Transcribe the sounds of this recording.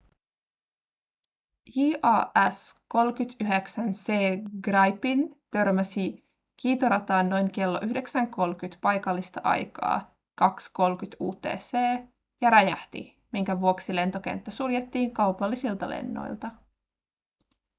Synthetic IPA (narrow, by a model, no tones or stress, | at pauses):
jiːʔɑːæsko̞lkyt̪yɦeksænseːɡrɑjpint̪ø̞rmæsi | kiːt̪oɾɑt̪ɑːnːo̞jŋke̞lːoʔyhde̞ksæŋko̞lkyt̪pɑjkɑlːist̪ɑʔɑ̰jkɑ̰ː | kɑksko̞lk̟yt̪uːt̪e̞̰ːseː | jɑɾɑjæht̪ḭ | miŋkæʋuoksile̞nt̪o̞k̟ḛnt̪ːæsuljet̪ːiːŋkɑwpɑlːisilt̪ɑlḛnːo̰jlt̪ɑ